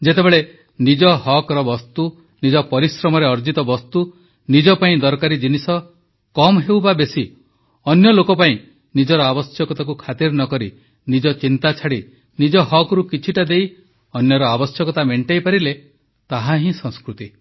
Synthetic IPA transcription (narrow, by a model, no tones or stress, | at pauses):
d͡ʒet̪ebeɭe | nid͡ʒɔhɔkɾɔbɔst̪u | nid͡ʒɔpɔɾisɾɔmɔɾeɔɾd͡ʒit̪ɔbɔst̪u | nid͡ʒɔpaĩd̪ɔɾkaɾid͡ʒinisɔ | kɔmɦewbabesi | ɔnjɔlokɔpaĩ | nid͡ʒɔɾɔabɔsjɔkɔt̪akukʰat̪iɾnɔkɔɾi | nid͡ʒɔt͡ʃint̪at͡ʃʰaɽi | nid͡ʒɔɦɔkɔɾukit͡ʃʰiʈad̪ej | ɔnjɔɾɔabɔsjɔkɔt̪ameɳʈajpaɾile | t̪aɦaɦĩsɔ̃skɾut̪i